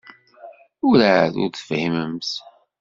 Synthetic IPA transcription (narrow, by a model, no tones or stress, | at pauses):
ʊɾaðʊ̰ɾθə̥fhiməmθ